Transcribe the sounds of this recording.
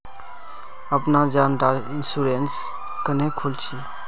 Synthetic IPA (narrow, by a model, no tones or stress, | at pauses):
əpnad͡ʒaːnʈaːɾɪnsuɾens | kənẽkʰʊlt͡ʃʰiː